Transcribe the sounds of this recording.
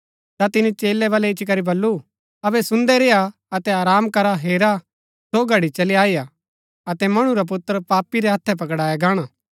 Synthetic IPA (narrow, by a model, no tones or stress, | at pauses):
t̪at̪ɪnit͡ʃeːlːɛʋɐːlɛɪt͡ʃik̬ɐɾibɐlːu | ɐbɛsʊ̃nd̪ɛɾeːa | ɐt̪ɛaːɾaːmkɐɾaɦeːɾa | soːɡʱɐɽit͡ʃɐliaːija | ɐt̪ɛmɐɽ̃ũɾap̬ʊt̪ːəɾpaːpiɾɛɦɐt̪ʰːɛp̬ɐkɽaːjaɡaːɽ̃aː